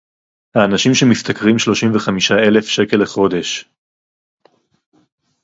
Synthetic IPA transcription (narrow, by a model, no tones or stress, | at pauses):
haːnaʃimʃemist̪akʁimʃlo̞ʃimveχamiʃae̞le̞fʃeke̞leχo̞de̞ʃ